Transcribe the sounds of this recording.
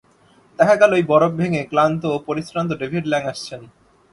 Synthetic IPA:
t̪ɛkʰaɡɛloejbɔɾob̚bʱeŋeklant̪oːpoɾisɾant̪̬oɖebʱiɖlɛŋaʃt͡ɕʰen

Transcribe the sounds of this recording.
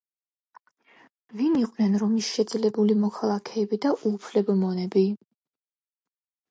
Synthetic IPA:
viniqʼvnɛnɾɔmisʃɛd̪zlɛbulimɔkʰalˠakʰɛːbid̪aʔupʰlɛbɔmɔnɛbi

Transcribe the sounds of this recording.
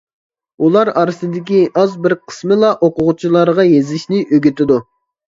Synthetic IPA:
ulˠɑɾɑɾɨsɨd̪ɪkʲiʔɑzbɪɾqʰə̥smɨlˠɑʔoqʊʁʊt͡ʃʰilˠɑɾʁɑjezlɪʃnɪʔøɡʲyt̪ʰɪd̪u

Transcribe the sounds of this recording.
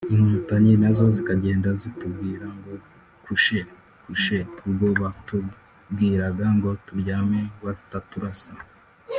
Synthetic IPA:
iŋutaɲenazo̞zikaɟe̞ːndazitubɡiːɾaŋɡo̞ | kʰuʃe̞ | kuʃeubɡo̞ːβatu | bɡiːɾaɡaŋɡo̞tuɾɟaːmewau̥tatuɾasa

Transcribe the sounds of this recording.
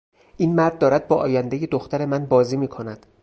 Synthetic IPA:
ʔiːnmæɾd̪̚ːɒːɾæd̪̚bɒːʔɒːjænd̪eje̞d̪oxt̪ʰæɾe̞mænbɒːziːmiːkʰo̞næd̪̥

